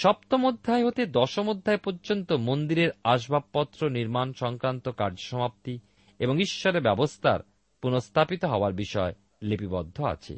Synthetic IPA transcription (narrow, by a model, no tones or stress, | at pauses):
ʃɔp̚t̪omod̪ʱːaeɦot̪ed̪ɔʃomod̪ʱːaepoɾd͡ʑont̪omond̪iɾeɾaʃbʱabpɔt̪ːɾoniɾmanʃɔŋkɾant̪okaɾd͡ʑoʃɔmap̚t̪i | eboŋiʃːɔɾebɛbost̪ʰa̰ɾ | punost̪ʰapit̪oɦɔoaɾbiʃɔe | lepibɔd̪ʱːoa̰t͡ɕʰḛ